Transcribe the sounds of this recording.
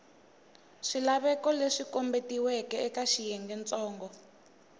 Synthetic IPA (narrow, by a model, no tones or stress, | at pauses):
ʂilaβɛkɔleʂikɔmbetiwɛkɛɛkaʃijɛŋɡɛnt͡sʼɔːŋɡɔ